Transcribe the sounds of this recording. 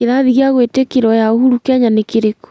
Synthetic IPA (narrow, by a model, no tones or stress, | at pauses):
eðaðiɣiaɣwetekeɾɔjaohuɾukaɲanekeɾeko̥